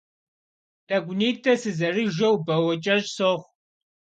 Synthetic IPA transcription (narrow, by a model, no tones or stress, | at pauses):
tʰʼɐɡʷʊniːtʰʼɐsɨzɐriʒɐwbɐwɐt͡ʃʼɐʒsoχʷ